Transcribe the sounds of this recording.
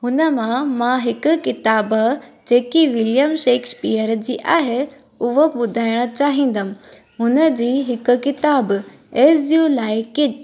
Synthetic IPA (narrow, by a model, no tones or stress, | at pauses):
ɦʊnəmãmãɦɪkʊ̆kɪt̪aːbd͡ʑeːkiʋɪljəmʃeːkspiːəɾd͡ʑiːʔaːɦe | ʊɦoɓʊd̪ʱaːɪɽ̃ət͡ɕaːɦĩːn̆d̪əmɪ̃ | ɦʊnə̆d͡ʑiːɦɪkʊ̆kɪt̪aːb | eːsjuːlaːɪkɪt͡ɕ